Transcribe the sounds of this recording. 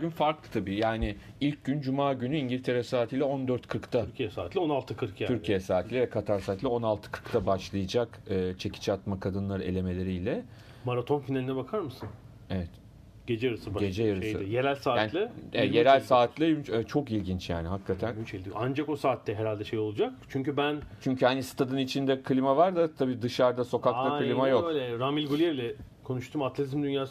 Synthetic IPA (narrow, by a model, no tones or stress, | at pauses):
ɡynfaɾklˠɯt̪ʰabiːjaːnɪilʲc̚ɟynd͡ʒumaːɟynyiɲɟilʲt̪ʰe̞ɾɛsaːt̪ʰijlʲɛo̞nd̪øɾt̪kʰɯɾkt̪ʰaɾcʰijɛsaːt̪ʰlʲonalˠt̪ʰɯkʰɯɾkʰjayɾcʰijɛsaːt̪ʰlʲɛvɛkʰat̪ʰaɾsaːt̪lʲɛo̞nalˠt̪ʰɯ̥kʰɯ̥ɾkt̪ʰabaʃlˠɯjad͡ʒakɯːt͡ʃʰe̞cʰi̥t͡ʃʰɛat̪makʰad̪ɯnlˠaɾɯe̞lʲe̞me̞lʲe̞ɾijlʲɛ | maɾat̪ʰo̞nfinalʲinɛbakʰaɾmɯsɯn | evɛt̪ | ɟ̥e̞d͡ʒɛjaɾɯsɯbɟe̞d͡ʒɛjaɾɯʃesɯjeɾælʲsaːjaːnlʲˠɯeɛjeɾælʲsaːt̪ʰlʲˠiynt͡ʃʰo̞kilʲɟint͡ʃja̰ːniɦakːat̪ʰænyt͡ʃelʲd̪ij̰and͡ʒako̞saːt̪ːɛɦeɾalʲd̪ɛʃe̞jo̞lˠud͡ʒak̚t͡ʃʰyɲcybænt͡ʃʰyɲcyhanist̪ʰad̪ɯnit͡ʃʰind̪ɛkʰɯlʲimavaɾd̪at̪ʰabiːd̪ɯʃaɾd̪aso̞kakt̪akɯlʲimajokølʲɛɾamilʲɡulʲijeɛɾlʲɛ | kʰo̞nuʃt̪ʰumat̪lʲet̪ʰizmd̪ynjaːs